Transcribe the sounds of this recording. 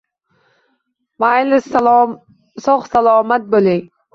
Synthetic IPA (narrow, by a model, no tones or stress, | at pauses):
majlɪs | sɒχsalˠɒːmat̪̚bolɪŋ